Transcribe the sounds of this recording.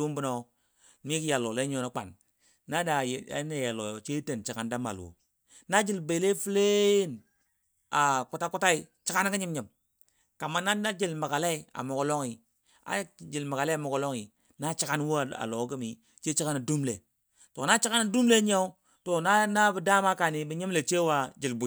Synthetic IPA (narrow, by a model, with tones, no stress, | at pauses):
u˦mbu˦no˦ | mi˦ki˦ja˨lo˨le˦ɲ˦o˦no˦k͡pa̰˨n | na˦da˨a̰˨˦ne˨ja˨lo˨jt͡ʃe˦te˨nt͡ʃi˨ka˦nda˦ma̰˨lwo̰˨ | na˦d͡ʒi˨lbe˨˦le˦fi˦le˦n | a˨ku˨ta˦ku˦ta˦i˦t͡ʃi˦ka˦n˦ki˦ɲi˦mɲi˨m | ka˨ma˦na˦a˦d͡ʒi˨lma˨ɡa˨le˦i˨a̰˨mo˨ɡo˨lo˦ŋi˨ | a̰˨˦d͡ʒi˨lma˨ɡa˨le˦˨mo˨ɡo˨lo˦ŋi˨ | na˦t͡ʃi˦ka˦n˦wu˦˨a̰˨lo˨˦ɡi˦mi˨ | t͡ʃe˦t͡ʃi˦ka˦na˨du˦mle˨ | to˨na˦t͡ʃi˦ka˦na˨du˦mle˦ɲa˦u˦ | to˨na˦na˦bi˨da˦ma˦ka˨ni˨bi˨ɲi˦m˦le˨t͡ʃe˦wa˦d͡ʒi˨lbu˨i˨